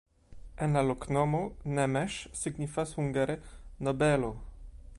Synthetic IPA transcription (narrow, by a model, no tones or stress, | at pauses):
ɛnlaloknɔmonɛmɛʃsiɡɲifasuŋɡaɾɛnobɛlo